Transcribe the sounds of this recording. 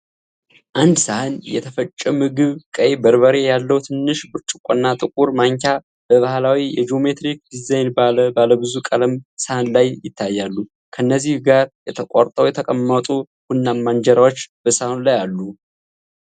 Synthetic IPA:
ʔand̪sahɨnjɛ̰t̪ʰəfət͡ʃʼːəmɨɡɨβkʼəjbəɾβəɾe̞jalːəwt̪ʰɨnːɨʃbɨɾt͡ʃʼɨkʷʼonːat̪ʼɨkʼuɾmaŋkʲʰa | bəβahlawijɛd͡ʒio̞me̞t̪ɾik̚d̪izajnbaləbaləbɨzukʼələmsəhɨnlajjɪt̪ʰːajːalːu | kʰənːəzːihɡaɾjɛt̪ʰəkʼaɾt̪ʼəwjɛt̪ʰəkʼəmːət̪ʼu | hunːamːand͡ʒəɾawot͡ʃːb̥əsahnlajalːu

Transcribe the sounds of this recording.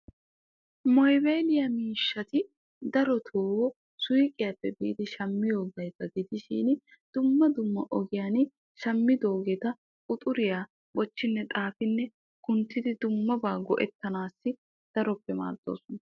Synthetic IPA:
mɔjbejlɪjɐmiːʃːɐt̪ɪ | d̪ɐɾɔt̪ʰoːwɔ | sʊjɪkʼːɪjapːɛbiːd̪ɪʃɐmːɪjo̞ːɡɐjkɐɡɪd̪ɪʃḭːn | d̪̥ʊmːɐd̪ʊmːɐʔɔɡɪjaːnɪ | ʃɐmːɪd̪o̞ːɡɛt̪ɐ | kʼʊt̪ʼʊɾɪjaː | bɔt͡ʃːɪnːɛt̪ʼaːfɪnːɛ | kʊnt̪ːɪd̪ɪd̪ʊmːɐbaːɡɔʔɛt̪ːɐnaːsːɪ | d̪̥ɐɾɔpːɛma̰ːɾd̪o̰ːsɔnɐ

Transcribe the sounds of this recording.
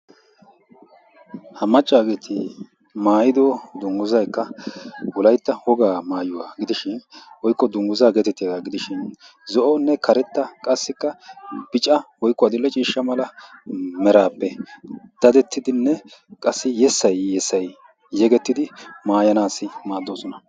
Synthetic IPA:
hɐmɐt͡ʃʼːaːɡeːt̪ʰɪ | maːjɪd̪oːd̪ʊŋɡʊzɐjkːɐwʊlɐjt̪ːɐhɔɡaːmaːjʊwaːɡɪd̪ɪʃɪnwɔjkːɔd̪ʊŋɡʊzaːɡɛt̪ɛt̪ːeːd̪aɡɪd̪ɪʃɪn | zɔʔɔnːɛkʰɐɾɛt̪ːɐkʼɐsːɪkːɐb̥ɪt͡ʃʼɐwɔjkːɔɐd̪ɪlːɛt͡ʃʼiːʃːɐmɐlɐ | mɛɾaːpːɛd̪̥ɐd̪ɛt̪ːɪd̪ɪnːɛkʼɐsːɪjɛsːɐjːɛsːɐjː | ɛɡɛt̪ːɪd̪ɪmaːjɐnaːsːɪmaːd̪ːoːsɔnɐ

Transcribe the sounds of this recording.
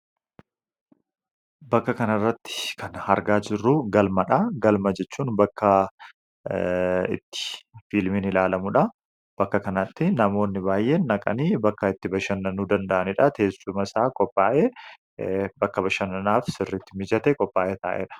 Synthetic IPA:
bɐkːɐkɐnɐrːɐt̪ːɪ̥kʰɐnhɐɾɡaːd͡ʒɪrːʊɡɐlmɐᶑɐɡɐlmɐd͡ʒɛt͡ʃːuːnbɐkʰːɐ | ɪ̰t̪ːɪ̥filmɪnɪlaːlɐmʊᶑɐ | b̥ɐkːɐkɐnɐt̪ːɪnɐmo̞ːnːɪbaːjːʔeːnːɐkʼɐ̰niːbɐkːɐɪt̪ːɪbɐʃɐnːɐnuːd̪ɐnd̪ɐʔɐnɪᶑɐt̪ʰe̞ːsʊmɐsaːkʼɔpʼːaːʔeː | bɐkːɐbɐʃɐnːɐnaːfsɪrːɪt̪ːɪmɪd͡ʒɐt̪ɛkʼɔpʼːaːʔeːt̪a̰ːʔḛːᶑɐ̥

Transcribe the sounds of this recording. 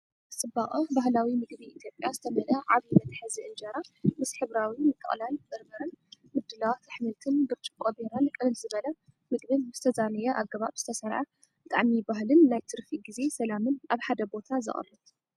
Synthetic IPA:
sʼɨbaχʼɐbaɦlawimɨɡbiit̪ʰjo̞pʼjazɨt̪ʰɐmɐlɐʕaβinɐt̪ħɨziʔɨnd͡ʒɐɾamɨsħɨβɾawimɨkʼːɨ̰χʼlalbɐɾmɐɾɐn | mɨd̪ːɨlawt̪ʰɨħmɨlt̪ʰɨnbɨɾt͡ʃʼikʼobeɾankʼɨlɨlzɨβɐlɐ | mɨɡbɨnz̥ɨt̪ʰɐzanɨjɛʔaɡɐβaβzɨt̪ʰɐsɐɾʕa | bɨt̪ʼa̰ʕmibaɦlɨnːajt̪ʰɨɾfiɡize̞sɐlamɨnaβħad̪ɐbo̞t̪ʰazɨ̰χʼɐ̰rɨt̪

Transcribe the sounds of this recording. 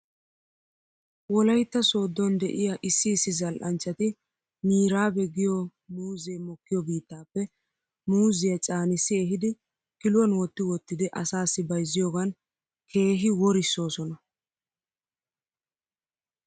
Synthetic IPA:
wɔlɐjt̪ːɐso̞ːd̪ːɔnd̪ɛʔɪjɐʔɪsːɪːsːɪzɐlʔɐnt͡ʃːɐt̪ɪ | miːɾaːbɛɡɪjɔ | muːzeːmɔkːɪjɔbiːt̪ːaːpːɛ | muːzɪjɐt͡ʃʼaːnɪsːɪɛɦɪd̪ɪ | kɪlwɐnwɔt̪ːɪwɔt̪ːɪd̪ɛʔɐsaːsːɪbɐjzːɪjoːɡɐn | kʰe̞ːɦɪwɔɾɪsːo̞ːsɔnɐ

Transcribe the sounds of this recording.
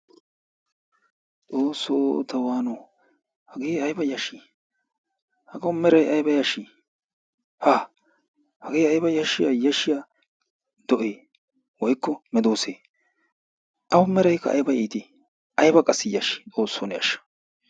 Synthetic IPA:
t͡sʼoːsːoːt̪ɐwaːnɔ | hɐɡeːɐjbɐjɐʃi | hɐɡɐwʊmɛɾɐjɐjbɐjɐʃi | haː | hɐɡeːɐjbɐjɐʃɪjajɐʃːɪja | d̪̥ɔʔeː | wɔjkːɔmɛd̪oːseː | ʔɐwʊmɛɾɐjkːɐ̰ːjbɐʔiːt̪i | ʔɐjbɐkʼɐsːɪjɐʃi̥t͡sʼo̞ːsːoːnɛjɐʃɐ̥

